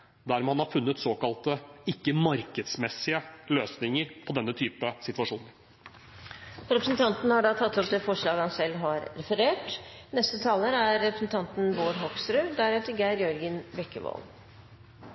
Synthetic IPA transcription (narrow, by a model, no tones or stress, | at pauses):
d̪æːɾmɛhɑnhɑɾfʉnːət̪soːkɑlt̪əɪkːəmɑɾkəd̪smɛsɪəløːsnɪŋəɾpʰɔd̪ɛnːət̪ʰyːpəsɪt̪ʋɑʂuːnəɾ | ɾɛpɾəsn̩t̪ʰɑnt̪nhɑɖɑt̪ʰɑt̪ʰːɔp̚d̪eːfɔʂɭɑːɡhɑnsɛlːɦɑɾɾɛfəɾeːʈ | nɛst̪ət̪ʰɑːləɾæɾːɛpɾəsn̩t̪ʰɑnt̪n̩boːɾɦɔksɾʉːd̪æɾɛːt̪əɾɡæɪɾjɔɾɡənʋɛkːəʋo̰ːl